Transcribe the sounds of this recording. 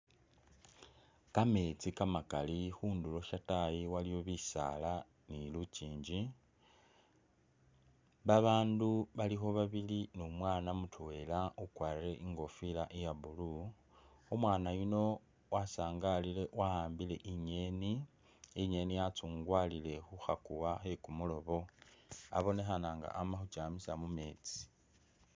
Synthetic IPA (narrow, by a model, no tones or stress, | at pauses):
kame̞t͡sikamakalixuːndulo̞ʃatajiwalijo̞βisa̰la | niluciːɲd͡ʒi | βaβaːnduβalixo̞βaβilinumwaːnamutʰuwe̞laukwaːre̞ʔiŋɡo̞filaʔijaβulu | umwaːnajuno̞ | wasaːŋɡalile̞wahaːmbile̞ʔiɲe̞ni | iɲe̞nijat͡suːŋɡwaːlile̞xuxakuwaxe̞kumulo̞βo̞a̰βo̞ne̞xanaŋɡa̰ʔːmaxut͡ʃaːmisamume̞ːt͡si̥